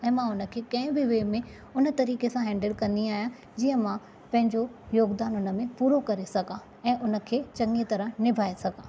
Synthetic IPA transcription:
ɛ̃ːmãʊnə̆kʰeːkɐ̃ɦɪ̃bɪʋeːmẽ | ʊnət̪ɐɾiːkesãɦɛ̃ːɳɖəlkɐ̃nd̪iaːɦijã | d͡ʑiːə̃mã | pɐ̃ɦɪ̃ɲd͡ʑojoːɡd̪aːnʊnə̆mẽpuːɾokɐɾesɐɡã | ɛ̃ːʔʊnə̆kʰeːt͡ɕɐŋit̪ɐɾənɪbʱaːesɐɡãː

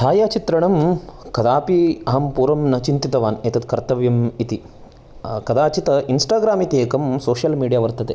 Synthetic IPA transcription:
t̪ʰaːjaːt͡ʃit̪ɾɐɳɐmkɐd̪aːpiɐɦɐmpuːɾɐmnɐt͡ʃint̪it̪ɐʋaːneːt̪ɐt̪kɐɾt̪ɐʋjɐmit̪i | kɐd̪aːt͡ʃit̪ɐinsʈaːɡɾaːmit̪ieːkɐmsoːʃjɐlmiːɖijaːʋɐɾt̪ɐt̪eː

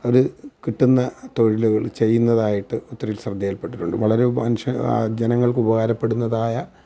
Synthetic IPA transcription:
o̞ɾukiʈːunːɐt̪o̞ɻiluɣɐɭt͡ɕe̞jːunːɐðaːjiʈːɨot̪ːrɐjilsrɐd̪ʱːijɐlpe̞ʈːiʈːuɳɖɨ̰ʋɐɭɐɾe̞mɐnʂɐ̰d͡ʑenɐŋːɐɭkɨubɐɣaːɾɐpːe̞ɽunːɐðaːjɐ

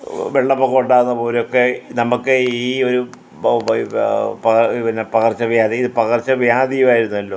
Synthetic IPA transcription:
ʋeɭːɐpːɐɣo̞ɳɖaːrɨnːɐpo̞ːlejokːenɐmukːɨiːo̞ɾu | pɐɐiʋɐnepɐɣɐrt͡ɕːɐʋjaːðiiðɨpɐɣɐrt͡ɕːɐʋjaːd̪ijumaːjiɾunːuɐlːo̞ː

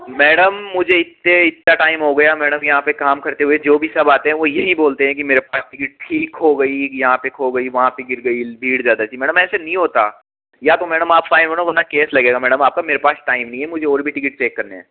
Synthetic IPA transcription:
mɛːɽəmːʊd͡ʒʱeɪt̪ːeɪt̪naʈaːɪmɦoɡɐjamɛːɽəmjɐɦãpekaːmkɐɾt̪eɦued͡ʒoːbʱisɐbaːt̪eɦɛ̃ʋojɐɦĩboːlt̪eɦɛ̃k̬imeːɾepaːsʈɪkɪʈ̚ʈʰiːkɦoɡɐijɐɦãpekʰoːɡɐiʋɐɦãpeɡɪɾɡɐibʱiːɽzjaːd̪at̪ʰimɛːɽəmɛːsenɐɦĩɦoːt̪a̰ː | jat̪omɛːɽəmaːpfaːɪnɦoːnaɐnakeːslɐɡeːɡamɛːɖəmaːp̚kameːɾepaːsʈaːɪmnɐɦĩɦɛ̃mʊd͡ʒʱeɔːɾbʱiʈɪkɪʈ̚t͡ʃeːkːɐɾneɛ̰̃ː

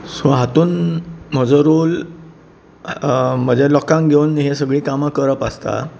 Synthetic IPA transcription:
saɦat̪uːnm̤əd͡zəɾol | m̤əd͡ʑelɔkãŋkɡʱeunɦesəɡɭiːkamakəɾəpast̪a̰

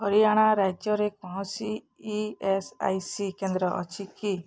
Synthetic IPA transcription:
ɦɔɾiaɽ̃aɾad͡ʒjɔɾekɔɽɔ̃siː | esa̰jsikend̪ɾɔʔɔ̰t͡ʃʰiki

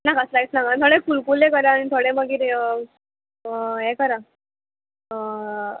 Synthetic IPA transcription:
nakəslait͡snakant̪ʰoɽekulkulekəɾaañit̪ʰoɽeməɡiːɾ | ɦekəɾa

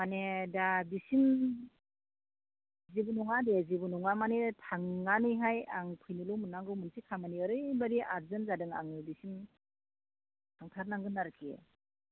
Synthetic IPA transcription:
manedabisim | zibunɔŋadezibunɔŋamanetʰaŋːanɯjɦajaŋpʰɯjnilumɯnːaŋɡɯwmɯnsikʰamaniɯɾɯjbaɾiaɾzɯnzadɯŋa̰ŋɯbisim | tʰaŋtʰaɾnaŋɡɯnaɾɯkʰi

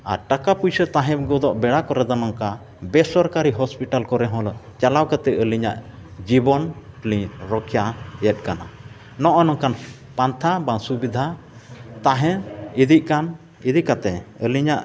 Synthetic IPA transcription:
a̰ɾʈakapujsət̪ãɦɛ̃bɡɔd̪ɔʔbɛɽakɔɾɛd̪ɔnɔŋka | bɛsɔɾkaɾiɦɔspiʈalkɔɾɛɦɔ̃lt͡ʃalawkat̪ɛʔəliɲa̰ʔ | d͡ʒibɔnplĩɾɔkʰjajɛt̪̚ˀkana | nɔʔɔnɔŋkan | pant̪ʰabasubid̪ʱa | t̪ãɦɛ̃id̪iʔ̚kan | id̪iʔkat̪ɛəliɲaʔ

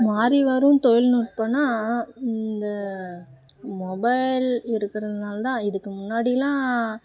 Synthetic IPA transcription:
maːɾiʋɐɾɯ̃mt̪ɔjɪlnuːʈ̚pɐɳːãːɪnd̪ɐ | mɔbɐɪlɪɾɯkːɪɾɐðɯnaːlt̪ãːɪðɯkːɯmʊnːaːɽɪjɐlãː

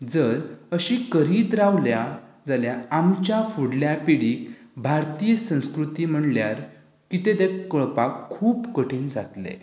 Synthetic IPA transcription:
d͡zəɾəɕikəɾiːt̪ɾaʋlja | d͡zaljaamt͡ɕjafuɽljapiɽiːkbʱaɾt̪ijəsə̃w̃skɾut̪iːm̤əɳljaɾ | kit̪ed̪ekːəɭpakʰːuːpkəʈʰiːnd͡zat̪lḛ

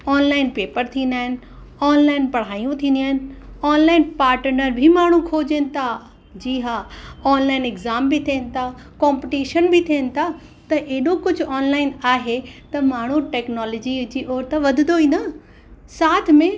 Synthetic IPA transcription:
ɔːnlaːɪnpeːpəɾt̪ʰĩːnd̪aːɦɪnɪ̆ | ɔːnlaːɪnpɐɽ̤aːijũt̪ʰĩːnd̪iaːɦɪn̆ɔːnlaːɪnpaːɾʈɾnəɾbʱimaːɳ̤ũkʰoːd͡ʑənɪ̆t̪ʰa | d͡ʑiːɦaɔːnlaːɪnɪɡzaːmbʱɪt̪ʰiːnɪ̆t̪ʰaː | kaːmpɪʈiːʃənbʱɪt̪ʰiːnɪ̆t̪ʰa | t̪ɐʔeɗokʊd͡ʑʱʊɔːnlaːɪnaːɦet̪ɐmaːɳ̤uʈeːknɔːlɔːd͡ʑid͡ʑiːʔɔːɾt̪eʋɐd̪ʱɪnd̪oĩːnd̪a | saːt̪ʰmẽ

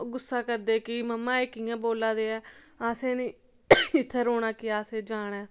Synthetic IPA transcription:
ɡʊsːaːkəɾd̪eːkɪməmːãːeːkiːãːboːlãːd̪eːɛːaːsẽːnĩː | ɪt̪ʰːɾoːɽaːkɪaːsẽːd͡ʒaːɽɛː

